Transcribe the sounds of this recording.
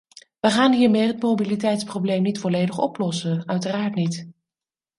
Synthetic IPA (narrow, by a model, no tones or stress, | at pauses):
ʋəχaːnɦiːɹmɪːrɦətmowbilitɛjtsprowblejmnitfɔlejdəχɔ̰plɔsənœɥtəraːɹtnit